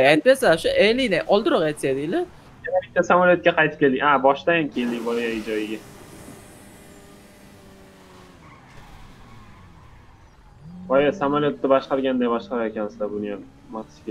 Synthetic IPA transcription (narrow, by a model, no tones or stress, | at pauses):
anpesaʃʊʔelinaʔɒlˠd̪ɨɾɒqat̪ʃad̪ɪlɪ | aɾabɪt̪ːasamaljot̪̚kʲaqʰɑjt̪ʰɪ̥p̚ʲe̞ld̪ɪŋʔabɒʃt̪ajamkʲʰeld̪ivɒjaɪd͡ʒɒjɪɡʲa | vɒjasamaljot̪ːɪbaʃqɑɾɡʲand̪ajbɒʃqɑɾaekʲansɪ̥d̪abʊnijan | mat̪ʰɪ̥skʲe